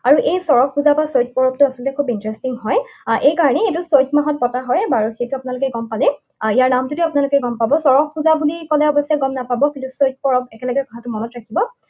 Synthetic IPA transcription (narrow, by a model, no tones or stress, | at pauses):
aɹuʔejsɔɹɔkxuzabasojt̚pɔɹɔp̚tʊasɔltɛkʰubintɹɛstiŋɦɔjʔejkaɹɔnɛetʊsojt̚maɦɔt̚pɔtaɦɔjbaɹuxejtuapʊnalʊkɛɡɔmpalɛ | ijaɹnamtutiapʊnalʊkɛɡɔmpabɔsɔɹɔkːuzabulikɔlɛɔbɔsijaɡɔmnapabɔkintusojt̚pɔɹɔbɛkɛlɔɡɛkɔtʰatʊmɔnɔtɹakʰibɔ